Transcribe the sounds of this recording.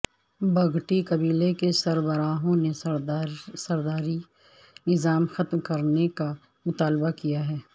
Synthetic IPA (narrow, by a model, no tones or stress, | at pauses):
bɐɡʈikɐbiːlekesɐɾbəɾaːɦõne | sɐɾd̪aːɾi | nɪzaːmxɐt̪mkɐɾneka | mʊt̪aːlbakijaɦɛː